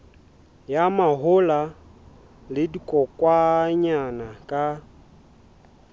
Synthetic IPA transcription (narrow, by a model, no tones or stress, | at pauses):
jamaɦʊla | lɪdikʼɔkʼwaɲanakʼa